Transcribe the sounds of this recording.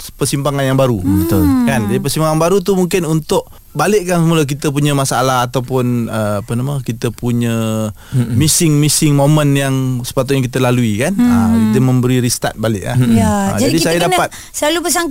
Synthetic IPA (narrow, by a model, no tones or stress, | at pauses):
pərsimpaŋanjaŋbaɾubət̪ʊlkand͡ʒadipərsimpaŋanbaɾut̪umuŋkɪnunt̪ʊʔ̚ | balɪʔkːansəmulək̬it̪əp̬uɲəmasaa̰laɦat̪awpʊnəapənaməkit̪əpuɲə | misɪŋmisɪŋmomənjaŋsə̥pat̪̬ʊʔ̪ɲakit̪əlaluikanəkit̪əmə̃mbəɾiɾist̪a̰t̪̚balɪʔla̰jaə̰d͡ʒad͡ʒadisajjadapat̪̚ | səlalupəs̬aŋ